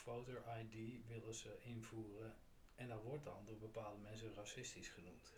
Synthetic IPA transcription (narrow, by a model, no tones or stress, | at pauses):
fowtoʔajdiʋɪlˠəzəʔɪnvuːrə | ɛndɑtʋɔɹtdɑ̰ndʊːɹbəpaːlˠdəmɛns̬ənrɑsɪstisχənumt